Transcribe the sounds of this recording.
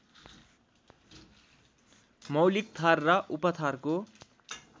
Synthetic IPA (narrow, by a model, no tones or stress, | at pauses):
mʌwlik̚t̪ʰarːʌʔupʌt̪ʰarko